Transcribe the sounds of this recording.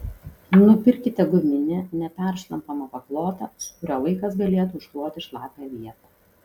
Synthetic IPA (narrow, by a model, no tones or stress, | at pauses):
nʊpʲɪɾʲkʲɪt̪ʲɛɡʊmʲɪnʲɛnʲɛpʲæˑɾʃlˠɐmpɐmɐpɐklˠoːt̪ɑ̰sʊ̥kʊɾʲoːlˠɐɪkɐsɡɐlʲeːt̪uʊʃklˠoːt̪ʲɪʃlˠɑːpʲjɛʋʲiɛt̪ɐ